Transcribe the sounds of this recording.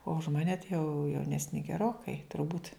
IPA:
oː ʊʃ ˈmɑːnʲɛ tɐɪ jɛʊ jɛʊˈnʲæːsʲnʲɪ ɡʲɛˈroːkɐɪ tʊrˈbuːtʲ

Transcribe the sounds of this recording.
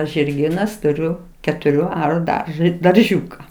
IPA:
ʒʲɪrʲˈɡʲiːnɐs tʊˈrʲʊ kʲɛtʊˈrʲuː ˈɑːrʊ ˈdɐrʒɐ dɐrʲˈʒʲuːkɐ

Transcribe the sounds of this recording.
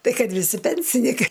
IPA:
ˈtɐɪ ˈkɐt ʋʲɪˈsʲɪ ˈpʲɛnʲsʲɪnʲɪkɐɪ

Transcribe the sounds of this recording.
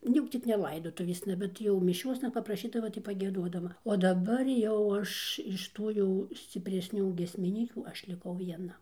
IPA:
nʊ ˈjɛʊ ˈt͡sʲɪk nʲɛ ˈlˠɐɪdoːtʊʋʲeːsnɐ ˈbʲɛt jɛʊ mʲɪˈʃʲoːsnɐ pɐprɐˈʃʲiːdɐʋɐ tɐɪ pɐɡʲiɛˈduɔdɐʋɐ oː dɐˈbɐr ˈjɛʊ ˈɐʃ ɪʃ ˈtuː jɛʊ sʲt͡sʲɪpʲrʲɛsʲˈnʲuː ɡʲiɛsʲmʲɪˈnʲiːkʲuː ˈɐʃ lʲɪˈkɐʊ ʋʲiɛˈnɐ

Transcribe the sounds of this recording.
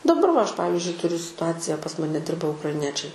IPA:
dɐˈbɐr ʋɐ ˈɐʃ ˈpɑːʋʲɪzʲd͡ʒʲʊɪ tʊˈrʲʊ sʲɪtʊɐt͡sʲɪjɛ pɐs ˈmɑːnʲɛ ˈdʲɪrbɐ ʊkrɐɪˈnʲiɛt͡ʃʲɛɪ

